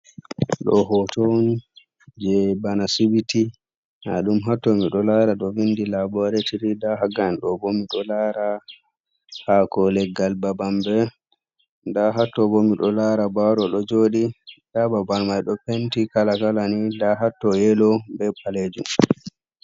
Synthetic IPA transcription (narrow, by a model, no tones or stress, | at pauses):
ɗɔ̰ɦɔtown | d͡ʒɛbanasibiti | na̰ɗumɦatːɔmiɗɔlaɾaɗɔvindilabɔɾɛtiɾidaɦaɡanɗɔbɔmiɗɔlaɾa | hakɔlɛɡalbabambɛ | ndaɦatːɔbɔmiɗɔlaɾabaɾɔɗɔd͡ʒoːɗidababalmajɗɔpentikalakalanidaɦatːɔjɛlɔbɛpʰaled͡ʒum